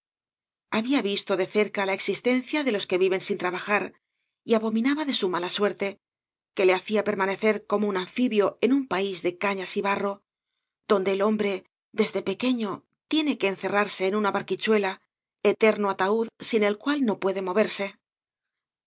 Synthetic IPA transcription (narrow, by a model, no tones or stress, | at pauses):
aβiaβist̪o̞ðe̞θe̞ɾkalae̞ksist̪e̞nθjaðe̞lo̞ske̞βiβe̞nsint̪ɾaβaxaɾ | iaβo̞mĩnaβaðe̞sumalaswe̞ɾt̪e̞ | ke̞le̞aθiape̞ɾmane̞θe̞ɾko̞mounãɱfiβjo̞e̞numpaizðe̞kaɲasiβaro̞ | ð̥o̞nd̪e̞ːlo̞mbɾe̞ | ðe̞zðe̞pe̞ke̞ɲo̞ | t̪je̞ne̞ke̞ːnθe̞raɾse̞ːnunaβaɾkit͡ʃwe̞la | e̞t̪e̞ɾnoat̪auðsine̞lkwalno̞pwe̞ðe̞mo̞β̞eɾse̞